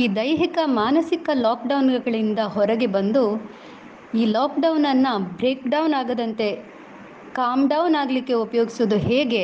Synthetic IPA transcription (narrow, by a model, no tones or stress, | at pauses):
iːd̪ɐjɦikɐmaːnɐsikɐlaːkɖɐwnɡɐɭind̪ɐɦɔɾɐɡe̞bɐnd̪u | iːlaːkɖɐwnɐnːɐbɾe̞ːkɖɐwnaːɡɐd̪ɐnt̪e̞ | kaːmɖɐwnaːɡlikːe̞upɐjo̞ːɡisuud̪uɦeːɡe̞